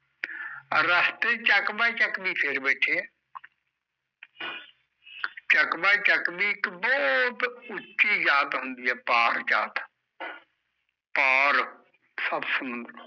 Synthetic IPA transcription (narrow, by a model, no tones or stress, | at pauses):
ɾəst̪et͡ʃəkbat͡ʃəkbipʰeɾbɛːʈʰeɛ | t͡ʃəkbat͡ʃəkbikbɔːt̪ʊt͡ʃːʃid͡ʒaːt̪ɦʊ̃nd̪iːɛːpaːɾd͡ʒa̰ːt̪ | paːɾ | səbsəm